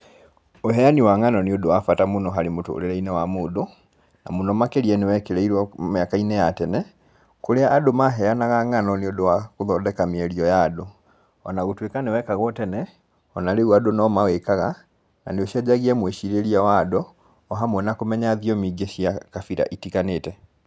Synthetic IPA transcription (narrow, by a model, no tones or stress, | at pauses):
oɦɛjaniwaŋanɔneodowafatamonɔɦaɾemoto̰o̰ɾeɾɛinɛwamoːdo | na̰monɔmakeɾiɛnewɛkeɾɛiɾwɔmakainɛjatɛnɛ | koɾeaʔːdomaɦɛanaɣaŋanɔneodowakoðɔdɛkamiɛɾiɔjaːdo | ɔ̰naɣotwekanewɛkaɣɔtɛnɛ | ɔnaɾewadonɔmawekaɣa | na̰neoʃiad͡ʒaɣiɛmweʃiɾeɾiawadɔː | ɦamwɛnakomɛɲaðiɔmiɡeʃiakafiɾa̰ʔitikaneːtɛ